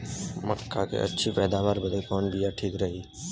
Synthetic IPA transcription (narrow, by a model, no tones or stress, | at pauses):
məkʰːaːkʰḛːʔə̰tːʃʰiːpɛːd̪aːʋaːɾbəd̪ekoːnbɪjaːʈʰiːkɾəɦiː